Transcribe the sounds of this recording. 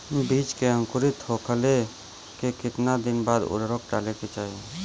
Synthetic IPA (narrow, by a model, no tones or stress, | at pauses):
biːt͡ʃkeə̃ŋkʊɾɪt̪hokʰəle | kekɪt̪nad̪ɪnbaːd̪ʊ̰ɾɾɔk̚ʈaːleket͡ʃaːie